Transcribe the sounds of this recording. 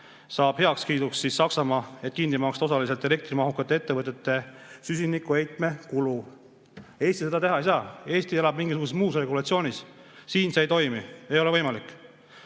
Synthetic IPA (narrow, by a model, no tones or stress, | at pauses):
sɑːb̥he̞ɑkskiːd̪uksːisːɑksɑmɑːe̞t̪̚ːˑkind̪imɑːkst̪osɑlis̬e̞lt̪ːˑele̞k̚t̪rimɑɦukːˑɑt̪ːˑee̞t̪ːe̞vɤt̪ːˑet̪ːˑe̞sys̬ʲinikːˑue̞jt̪ˑme̞kulu | e̞ːsʲt̪ise̞d̪ɑt̪e̞ɦɑejsɑːe̞ːst̪ielɑb̥̚miŋɡis̬uɡusesmuːsre̞ɡulɑt̪sio̞ːnʲissiːnseejt̪o̞jmie̞jo̞levɤjmɑlikːˑ